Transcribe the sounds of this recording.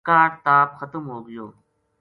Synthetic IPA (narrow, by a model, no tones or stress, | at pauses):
kãːʈt̪aːpxət̪əmɦoːɡɪjoː